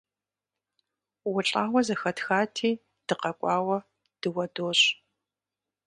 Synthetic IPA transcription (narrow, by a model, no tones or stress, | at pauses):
wʊɬʼaːwʷɐzɐxɐtxaːtʰiː | d̥ɨqɐkʷʼɑːwɐ | d̥ɨwɐdoːɕ